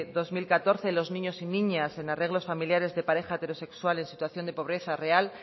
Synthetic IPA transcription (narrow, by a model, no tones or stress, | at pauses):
ðo̞zmilkat̪o̞ɾθe̞lo̞znĩɲo̞sinĩɲase̞nare̞ɣlo̞sfamiljaɾe̞zðe̞paɾe̞xaet̪e̞ɾo̞se̞kswale̞nsit̪waθjo̞nd̪epo̞βɾe̞θare̞al